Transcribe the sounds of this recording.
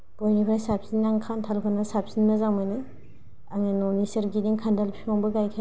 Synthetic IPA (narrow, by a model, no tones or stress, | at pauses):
b̥ɔjnipʰaɾajsap̚sinːaŋkʰantʰalkʰɯnasap̚sinmazaŋmanɯ | aŋenɔnisɐɾɡidiŋkʰandalpʰiɔŋbɯɡajkʰa